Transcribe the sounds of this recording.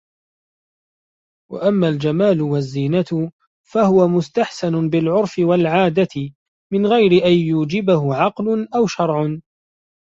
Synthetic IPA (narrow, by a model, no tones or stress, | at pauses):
wa̰ʔamːaːld͡ʒamaːlʊwazːiːnat̪ʊ | fahʊwamʊst̪aħsanʊbɪlʕʊɾˤfɪwalʕaːd̪at̪ɪ | mɪnɣajɾɪʔanjuːd͡ʒɪbahʊʕɑqlʊnʔawʃɑɾˤʕʊ